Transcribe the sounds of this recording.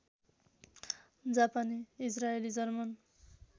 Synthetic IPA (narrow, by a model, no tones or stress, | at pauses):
d͡zapaniːsraelid͡zʌrman